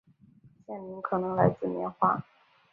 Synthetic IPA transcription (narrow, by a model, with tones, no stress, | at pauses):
t͡ɕjɛ˥˩ni˧˥ŋkʰɤ˨˩nɤ˧˥ŋla˧˥ɪt͡sɹ̩˥˩mjɛ̰˧˥nxwa̰˥˩